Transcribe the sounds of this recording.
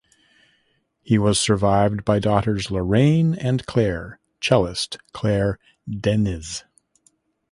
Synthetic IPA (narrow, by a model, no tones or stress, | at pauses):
hiwʌz̥sə˞vaɪvbaɪdɔɾə˞zləɹẽɪ̃nɨ̃nkʰl̥ɛɹ | t͡ʃʰɛlˠəstkʰl̥ɛɹ | dɛnɪz̥